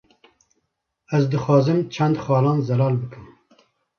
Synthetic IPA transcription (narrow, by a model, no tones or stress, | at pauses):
ɛzd̪ɨxɑːzɨmt͡ʃʰɛnd̪xɑːlɑːnzɛlɑːlbɨkʰɨm